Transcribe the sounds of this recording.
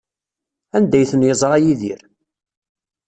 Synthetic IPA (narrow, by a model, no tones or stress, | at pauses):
ænd̪æjθənjəzˤɾˤɑjiðiɾ